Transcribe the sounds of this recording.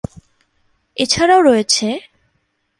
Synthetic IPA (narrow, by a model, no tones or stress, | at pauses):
et͡ɕʰaɾaoɾojet͡ɕʰe